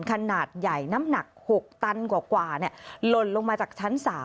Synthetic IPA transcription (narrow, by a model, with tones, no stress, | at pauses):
nkʰa˧naː˨˩t̪̚ja˨˩jna˦˥mna˨˩k̚ho˨˩k̚t̪a˧nkwaː˨˩kwaː˨˩ni˧˩ɐlo˧nlo˧ŋmaː˧t͡ɕaː˨˩k̚t͡ɕʰa˦˥nsaː˩˦